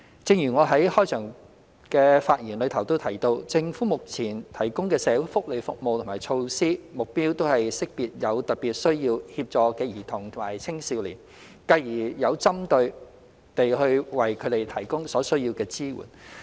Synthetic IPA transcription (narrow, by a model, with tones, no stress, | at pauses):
t͡sɪ˧ŋjyː˨˩ŋɔː˨˧ɦɐ˨˥jhɔː˥jt͡ʃʰœː˨˩ŋ | kɛː˧faː˧t̚jiː˨˩nlɵ˨˧ɥt̪ʰɐ˨˩wt̪o˥wt̪ʰɐ˨˩jt̪o˧wt͡sɪ˧ŋfuː˨˥mʊ˨k̚t͡sʰiː˨˩nt̪ʰɐ˨˩jkʊ˥ŋkɛː˧sɛː˨˧wu˨˥fʊ˥k̚le˨˧jfʊ˨k̚mo˨wt̪ʰmaː˨˩jt͡ʃʰo˧wsiː˥mʊ˨k̚piː˥wt̪o˥whɐ˨jsɪ˥k̚piː˨t̚jɐ˨˧wt̪ɐ˨˩t̚piː˨t̚sɵ˥ɥjiː˧whiː˧p̚t͡ʃɔː˨kɛː˧jiː˨˩t̪ʰʊ˨˩ŋt̪ʰʊ˨˩maː˨˩jt͡sʰɪ˥ŋsi˧wliː˨˩n | kɐ˧jjiː˨˩jɐ˨˧wt͡sɐ˥mt̪ɵ˧ɥ | t̪e˨jhɵ˧ɥwɐ˨jkʰɵ˨˧t̪e˨jt̪ʰɐ˨˩jkʊ˥ŋsɔː˨˥sɵ˥ɥji˧wkɛː˧t͡siː˥wṵ˨˩n